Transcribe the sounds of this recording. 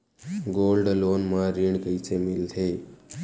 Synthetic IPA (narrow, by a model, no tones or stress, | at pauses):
ɡolɖlonmaɾiɳkəjt͡semilt̪ʰe